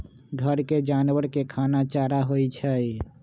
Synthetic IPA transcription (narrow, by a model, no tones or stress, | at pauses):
ɡʱəɾked͡ʒanʋəɾkekʰanat͡ʃaɾaɦojt͡ʃʰəj